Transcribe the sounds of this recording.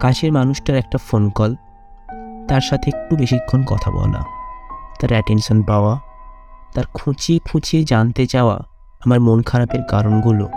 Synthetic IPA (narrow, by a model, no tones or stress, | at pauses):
kaʃʰeɾmanuʃʈaɾɛk̚ʈafonkɔl | t̪aɾʃat̪ʰeek̚ʈubeʃikʰːonkɔ̰t̪ʰa̰bɔ̰lḛna̰t̪aɾɛʈenʃonpaoa | t̪aɾkʰut͡ɕiekʰut͡ɕied͡ʑant̪et͡ɕaoa̰ | amaɾmonkʰaɾapeɾkaɾonɡulo